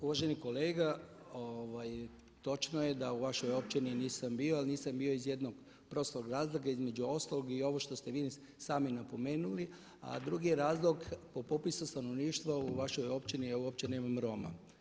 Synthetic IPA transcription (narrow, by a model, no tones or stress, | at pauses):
uʋaʒeniko̞leːɡa | oʋaj | t̪o̞t͡ʃnoje̞d̪auʋaʃo̞jo̞pt͡ʃininiːsambioalniːsambio̞izje̞d̪noɡ | pɾo̞st̪loɡɾaːzlˠoɡaizme̞d͡ʑuo̞st̪alˠoɡio̞ʋo̞ʃt̪o̞st̪e̞ʋiː | saːminapo̞me̞ːnuli | a̰d̪ɾuɡijeɾaːzlˠoɡpo̞popisust̪ano̞ʋniːʃt̪ʋauʋaʃo̞jo̞pt͡ʃiniuop̚t͡ʃeneːmamɾo̞ma̰